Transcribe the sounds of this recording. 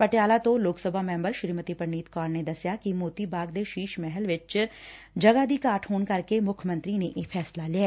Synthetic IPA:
pəʈɪjaːlaːt̪õːloːksəbʱaːmɛ̃ːmbəɾʃɪɾiːmət̪iːpəɾniːt̪kaːɾneːd̪əsjaːkɪmoːt̪iːbaːɡ̚d̪eːʃiːʃmɛɦəlʋɪt͡ʃ | d͡ʒəɡaːd̪iːkaːʈhoːnkəɾkemʊkʰmə̃nt̪ɾiːneːʔeːpʰɛːslaːlɪjaː

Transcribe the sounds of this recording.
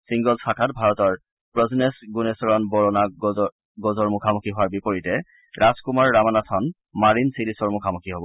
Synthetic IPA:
siŋɡɔlsakʰatbʱaɹɔtɔɹ | pɹɔznesɡunesɔɹɔnbɔɹɔna | ɡozɔɹmʊkʰamukʰiɦʊaɹbipɔɹitɛ | ɹazkumaɹːamanatʰɔn | maɹinsilisɔɹmʊkʰamukʰiɦobɔ

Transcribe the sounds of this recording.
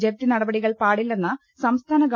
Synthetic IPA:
d͡ʑep̚t̪ːinɐɽɐbɐɽiɣɐɭpaːɽilːenːɐ | sɐmst̪ʰaːnɐɡ

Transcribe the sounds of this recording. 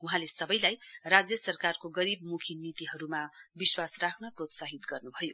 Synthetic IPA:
uɦãlesʌbʌjlajrad͡zjʌsʌrkarkoɡʌɾibmukʰinit̪iɦʌɾumabiswasrakʰnʌprot̪saɦit̪ɡʌrnubʱʌjo

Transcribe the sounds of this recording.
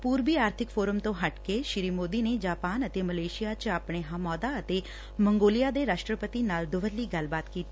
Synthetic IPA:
puːɾbiːaːɾt̪ʰɪkpʰoːɾəmt̪õːɦəʈkeʃɪɾiːmoːd̪iːneːd͡ʒaːpaːnət̪eːməleːʃɪijaːt͡ʃaːpɽ̃eːɦãːmɔːd̪aːət̪eː | məŋɡoːlɪjaːd̪eːɾaːʃʈɾəpət̪iːnaːld̪ʊʋəlːiːɡəlbaːt̪kiːt̪iː

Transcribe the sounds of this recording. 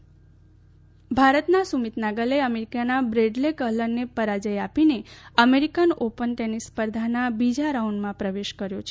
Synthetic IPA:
bʱaɾət̪nasumit̪naɡəleəmeɾikanabɾeɖlekəɦləɾnepəɾad͡ʒəjapineəmeɾikənopənʈenispəɾd̪ʱanabid͡ʒaɾauɳɖmãpɾəʋeʃkəɾjot͡ʃʰe

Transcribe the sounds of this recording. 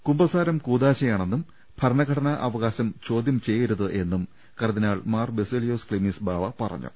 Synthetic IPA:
kumbɐsaːɾɐmkuːd̪aːɕɐjaːɳe̞nːum | b̥ʱɐɾɐɳɐɡʱɐɽɐnɐʔɐʋɐɣaːɕɐmt͡ɕo̞ːd̪jɐmt͡ɕe̞jːiɾuðɨʔe̞nːum | kɐɾɐðinaːɭmaːrbesilijoːskɭimiːsbʱaːʋɐpɐrɐ̰ɲːṵ

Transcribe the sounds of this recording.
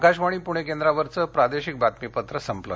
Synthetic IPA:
kaɕʋaɽ̃iːpuɽ̃ek̬ẽnd̪ɾaʋəɾt͡səpɾad̪eɕik̚bat̪mipət̪ɾəsəmplə

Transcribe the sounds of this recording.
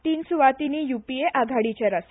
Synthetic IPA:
t̪iːnsuʋat̪iniːjupieʔaɡʱaɽit͡ɕeɾas

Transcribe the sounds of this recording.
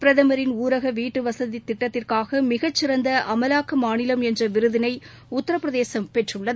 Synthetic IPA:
pɪɾɐðɐmɐɾɪnuːɾɐɣɐʋiːʈːɯʋɐsɐðit̪ːɪʈːɐt̪ːɪrkaːɣɐmɪɣɐt͡ʃːɪɾɐnd̪ɐʔɐmɐlaːkɐmaːnɪlɐmɛndrɐʋɪɾɯðɪnɐɪ | ʊt̪ːɐɾɐpːɪɾɐðeːsɐmpɛʈrɯɭːɐð

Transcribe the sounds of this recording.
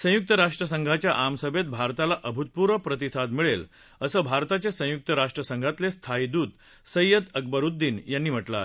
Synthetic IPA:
sə̃juk̚t̪əɾaʂʈɾəsəŋɡʱat͡ɕjaʔamsəbet̪̚bʱaɾt̪alaʔəbʱut̪̚puɾəpɾət̪isʰad̪miɭel | əsəːbʱaɾt̪at͡ɕesə̃juk̚t̪əɾaʂʈɾəsəŋɡʱat̪lest̪ʰaid̪uːd̪ | səjəd̪ək̚bəɾud̪ːiːnjanːiːm̤əʈla̰

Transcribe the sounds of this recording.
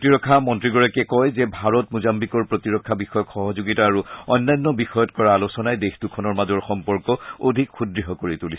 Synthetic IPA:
tiɹɔkʰːamɔntɹiɡɔɹakɛkɔjzɛbʱaɹɔtmuzambikɔɹpɹotiɹɔkʰːabixɔjɔkxɔɦɔzuɡitaːɹuɔjnːajnːɔbixɔjɔtkɔɹaːlusɔnajdextukʰɔnɔɹmazɔɹxɔmpɔɹkɔo̰dʱikxudɹiɦɔkoɹitulis

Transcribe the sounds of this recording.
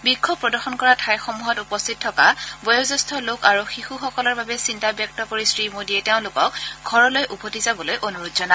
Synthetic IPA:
bikʰːɔbpːɹɔdɔɹxɔnkɔɹatʰajxomuɦɔtupɔstʰit̚tʰːɔka̰bɔjɔzɔstʰɔlokaɹuxixuxɔkɔlɔɹbabɛsintabjɔk̚tɔkoɹisɹimodiɛteʊ̃lʊkɔk̚ɡʱɔɹɔlojʔupotizabɔlojʔonuɹutzɔna

